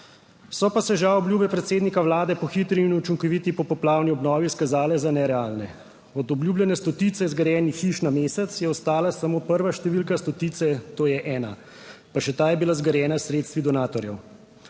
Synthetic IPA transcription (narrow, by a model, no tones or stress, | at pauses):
sɔpasɛʒawɔbljuːbɛpɾɛt̪seːd̪nikaʋlaːd̪ɛpɔxit̪ɾiːnut͡ʃiŋkɔʋiːt̪ipɔpɔplaːwniɔbnɔːʋiskazaːlɛzanɛɾɛaːlnɛ | ɔd̪ɔbljuːbljɛnɛst̪ɔt̪it̪sɛzɡəɾjɛːnixiːʃnameːsɛt̪sjɛɔst̪aːlasamoːpəɾʋaʃt̪ɛʋiːlkast̪ɔt̪iːt̪sɛt̪oːjɛʔɛːna̰ | paʃɛt̪aːjɛbilazɡəɾjɛːnasɾeːt̪st̪ʋid̪ɔnaːt̪ɔɾjɛw